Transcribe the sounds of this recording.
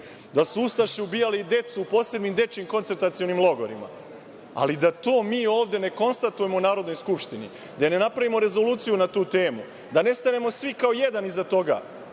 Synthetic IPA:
d̪asuust̪aʃeubiːjalid̪e̞t̪suːpo̞ːse̞bnimd̪e̞t͡ʃimko̞nt̪se̞ɾt̪at̪sio̞nimlˠo̞ɡo̞ɾima̰ | a̰lid̪at̪o̞ːmiːo̞ːʋd̪e̞ne̞ko̞nst̪at̪uje̞mounaːɾo̞d̪no̞jskupʃt̪inḭ | d̪ajne̞napɾaʋimo̞ɾe̞zo̞luːt̪sijunat̪uːt̪e̞ːmu | d̪ane̞st̪ane̞mo̞sʋikao̞je̞d̪anizat̪o̞ɡa̰ː

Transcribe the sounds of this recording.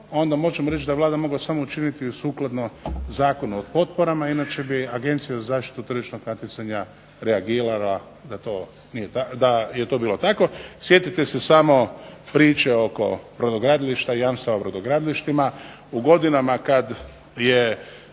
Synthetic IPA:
o̞nd̪amo̞ʒemoɾet͡ʃd̪aʋlˠaːd̪amo̞ɡlasamout͡ʃinit̪iusuːklˠad̪nozaːko̞nuopo̞t̪̚po̞ɾamainat͡ʃe̞biaɡe̞nt̪sijazazaːʃt̪i̥t̪ut̪r̩ʒit͡ʃno̞ɡnat̪it̪saɲa | ɾeaɡiːɾala | d̪at̪o̞ː | nijet̪ad̪ajet̪o̞biːlo̞t̪ako̞sje̞t̪it̪esesamo̞pɾiːt͡ʃeo̞ko̞̰pɾod̪oɡɾad̪iliʃt̪aijamst̪aʋaopɾod̪oɡɾad̪liʃt̪ima | uɡo̞d̪inamakad̪ | je

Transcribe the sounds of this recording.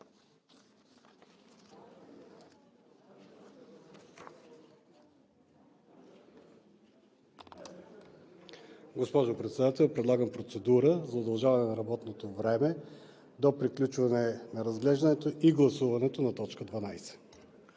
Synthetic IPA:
ɡospɔʒopɾɛt̪sɛd̪at̪ɛlˠpɾɛd̪lˠaɡəmpɾot̪sɛd̪uɾəzɐʊd̪ɐlˠʒavɐnɛnɐɾɐbɔt̪not̪ovɾɛmɛ | d̪opɾiklʲut͡ʃvɐnɛnɐɾɐzɡlɛʒd̪ənɛt̪oiɡlˠɐsuvɐnɛt̪onɐt̪ɔt͡ʃkəd̪vɐnajsɛ̥

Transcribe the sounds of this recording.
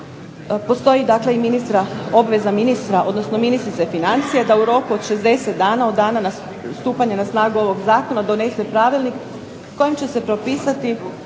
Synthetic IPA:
po̞st̪o̞jid̪akle̞iminist̪ɾao̞bʋe̞zaminist̪ɾaʔo̞d̪nosno̞minist̪ɾit̪efinant̪sijed̪auɾo̞kuod̪ʃe̞zd̪e̞set̪̚d̪aːnao̞d̪ːaːnana | st̪uːpaɲenasnaːɡuo̞ʋo̞ɡzaːkonad̪o̞ne̞se̞pɾaːʋilˠnik | ko̞jimt͡ɕe̞se̞pɾo̞piːsat̪i

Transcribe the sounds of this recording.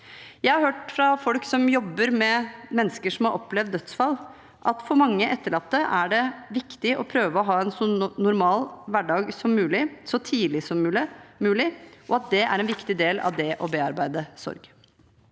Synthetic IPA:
jæɪhɑɾhøːʈfɾɑfɔlksɔmjɔbːəɾmɛmɛnːəskəʂɔmhɑɾʔɔplɛʋd̪ːœt̪sfɑlː | ʔɑt̪fɔɾmɑŋːəʔɛt̪ːəɭɑt̪ːəʔæɖɛʋɪkt̪ɪɔpʰɾøːʋəɔɦɑːɛnsɔnʊɾmɑːlʋæɖɑːɡsɔmːʉːlɪsɔt̪ʰiːlɪsɔmːmʉːlɪʔɔɑt̪̚d̪ɛæ̰ɾɛnʋɪkt̪ɪd̪eːlɑ̰ʋd̪ɛʔɔbeːɑɾbæɪd̪əsɔ̰ɾɡ

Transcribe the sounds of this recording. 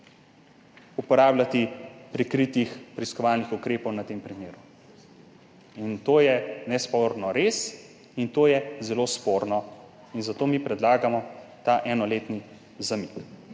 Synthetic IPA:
upɔɾaːblat̪ipɾɛkɾit̪ixpɾiskɔʋalnixukɾeːpɔwnat̪eːmpɾimeːɾu | int̪oːjɛnɛspoːɾnɔɾeːs | int̪oːjɛzɛloːspoːɾnɔ | inzat̪oːmipɾɛd̪laːɡamɔt̪aʔɛnɔleːt̪ni | zamik

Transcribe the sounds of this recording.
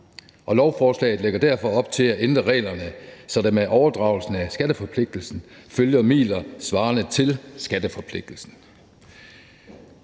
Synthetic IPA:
ʔɒ̽lɒʊfɒːslɛ̰ɪð̩ˠleɡ̥ɐd̥æɐfɒ̽ɒ̽b̥̚t͡sʰe̝læʔend̥ʁɐʁɛ̰ːlɐnəsɒ̽d̥emeʔɒʊɐd̥ʁɑ̈ʊl̩sn̩æsɡ̥æɾ̥əfɒ̽pʰle̝ɡ̥̚d̥l̩sn̩føljɐmḭːlɐsʋɑ̈ːnət͡sʰe̝lsɡ̥æd̥əfɒ̽pʰle̝ɡ̥̚d̥l̩sn̩

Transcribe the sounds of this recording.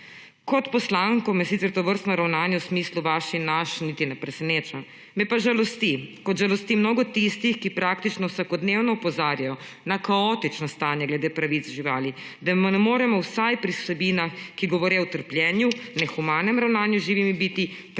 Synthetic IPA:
kɔt̪pɔslaːŋkɔmɛsit̪sɛɾt̪ɔʋəɾst̪nɔɾawnaːnjɛwsmisluʋaʃinaʃnit̪inɛpɾɛsɛneːt͡ʃa | mɛpaʒalɔst̪ikɔt̪ʒalɔst̪imnoːɡɔt̪ist̪ixkipɾaːk̚t̪it͡ʃnɔwsakɔd̪newnɔupɔzaːɾjajɔnakaɔːt̪it͡ʃnɔst̪aːnjaɡlɛd̪eːpɾaʋit̪sʒiʋaːlid̪amnɛmoːɾɛmɔwsajpɾisɛbinaxkiɡɔʋɔɾɛwt̪əɾpljɛːnjunɛxumaːnɛmɾawnaːnjuʒiʋimibit̪i

